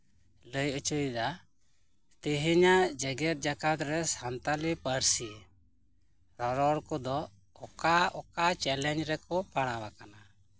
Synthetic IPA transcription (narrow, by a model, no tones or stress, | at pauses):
ləjut͡ʃud̪a | t̪iɦiɲad͡ʒɛɡɛt̪̚ˀd͡ʒakat̪ɾɛsant̪alipəɾsi | ɾɔɾɔɽkɔd̪ɔ | ɔkaɔkat͡ʃɛlɛɲd͡ʒɾɛkɔpaɽ̃abakana